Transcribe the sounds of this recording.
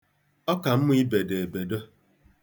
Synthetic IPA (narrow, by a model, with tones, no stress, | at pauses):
ɔ˦ka˨m̩˦m˦i˦be˨de˨e˨be˨do˦